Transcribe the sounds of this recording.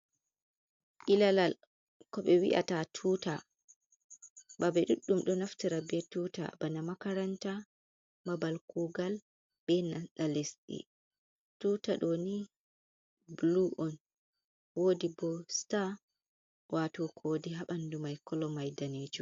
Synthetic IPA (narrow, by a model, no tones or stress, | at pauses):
ʔilalal | kɔɓɛwḭʔa̰tatʰuːta | babɛɗuɗːumɗɔnaftiɾabɛtuːta̰banamakaɾanta | mabalkuːɡal | bɛnanɗalesɗḭ | tuːtaɗɔni | bluʔɔn | woːdibɔsta | watɔkʰoːdiɦaɓandumajkɔlɔmajdaned͡ʒu